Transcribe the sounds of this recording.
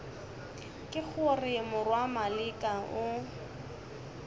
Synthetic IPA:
kʼɪk͡xʰʊrɪmʊrwamalɪkʼaʊ

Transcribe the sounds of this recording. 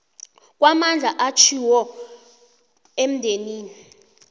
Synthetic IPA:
k̬ʼwamand͡ɮʱaʔat͡ʃʰiwɔ | em̩ndʱeniːni

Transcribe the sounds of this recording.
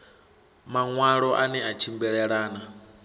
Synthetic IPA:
maŋwaɺɔʔanɛat͡ʃʰimbɛɺɛɺaːna

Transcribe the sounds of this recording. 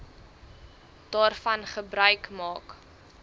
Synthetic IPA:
d̥ɑːrfɐnχəbrœɥkmɑːk

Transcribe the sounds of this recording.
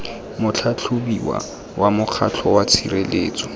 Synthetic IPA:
mʊt͡ɬʰat͡ɬʰʊbiwa̰ | wʔamʊq͡χʰat͡ɬʰɔwat͡sʰirelḛːt͡sʼɔ

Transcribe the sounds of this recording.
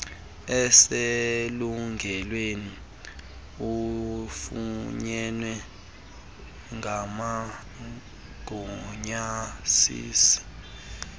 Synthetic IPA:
ɛseluŋɡʱɛlweni | ufuɲɛnwɛ | ŋɡʱama | ɡ̥ʱɔɲasḭːsi̥

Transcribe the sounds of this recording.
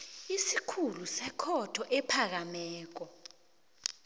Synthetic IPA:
isikʰulusɛkʰɔtʰɔʔɛpʰak̬amɛːk̬ɔ

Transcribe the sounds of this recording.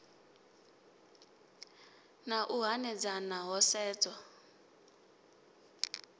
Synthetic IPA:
naʔuɦanɛd͡zanaɦɔsɛːt͡swa

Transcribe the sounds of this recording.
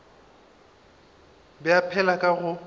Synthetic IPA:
bɪapʰɛlakʼaɣʊ

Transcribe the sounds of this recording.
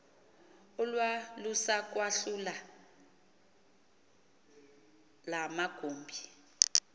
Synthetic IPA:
ulwalusak̬waɬula | lamaɡ̥ʱoːmbʱi

